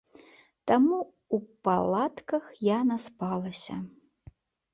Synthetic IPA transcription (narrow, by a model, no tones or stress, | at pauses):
t̪amu | upalˠat̪kɐxjanaspalˠɐsʲɐ̰